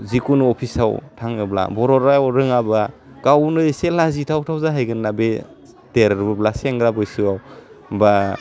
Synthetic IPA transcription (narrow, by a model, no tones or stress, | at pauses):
zikunɔpʰisawtʰaŋɯbla̰bɔɾɔɾajwɾɯŋaba | kawnɯselazitʰawtʰawzaɦajɡɯnːabe | teɾɾbɯblaseŋɡɾabɯjsɯaw | ba